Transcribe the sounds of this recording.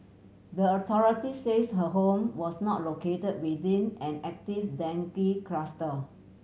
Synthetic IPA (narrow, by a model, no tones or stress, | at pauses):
dəɔt̪ʰɔɹitisesɦəɦõmwɔsnɔt̚loketəd̚wiθĩnɛ̃nɛk̚tifdɛ̃ŋkikɹastə